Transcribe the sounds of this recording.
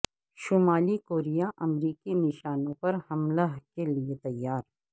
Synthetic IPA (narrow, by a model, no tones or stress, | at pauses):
ʃʊmaːlikoːɾijaʔɐmɾiːkinɪʃaːnõpɐɾhɐmlaɦkeliet̪ɐjːaːɾ